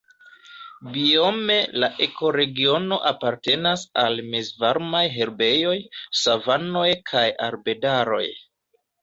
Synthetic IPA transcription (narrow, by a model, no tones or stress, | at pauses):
bio̞me̞laʔe̞ko̞ɾe̞ɡio̞no̞ʔapaɾte̞nasalmezvaɾmajɦe̞ɾbe̞jo̞jsavano̞jkʰajaɾbe̞daɾo̞̰j